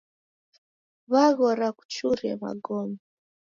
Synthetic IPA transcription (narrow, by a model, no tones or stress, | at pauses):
βaɣɔɾaku̥t͡ʃuɾɛ̰ma̰ɡɔmi